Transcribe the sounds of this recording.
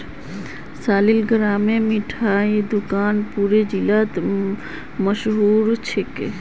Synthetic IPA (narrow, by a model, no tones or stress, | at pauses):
saːlilɡəɾaːmemiʈʰaːed̪ukaːnpuːɾed͡ʒilat̪ | məʃɦuːɾt͡ʃʰeke